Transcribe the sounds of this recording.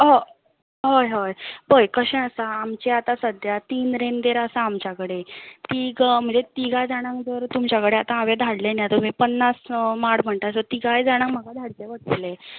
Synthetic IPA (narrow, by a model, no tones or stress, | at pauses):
ɦo | ɦojɦojbəjkəɕɛ̃əsaːmt͡ɕeat̪ãsəd̪ʱjat̪iːnɾend̪eɾəsaːmt͡ɕjakəɽet̪iɡm̤əɳd͡zet̪iɡajd͡zaɽ̃ãŋkd͡zəɾt̪umt͡ɕjakəɽeat̪ãaʋed̪ʱaɽlenjat̪əmiːpənːasmaɽm̤əɳʈ̪asət̪iɡajd͡zaɽ̃ãŋkm̤əɡad̪ʱaɽt͡seʋəɽt̪le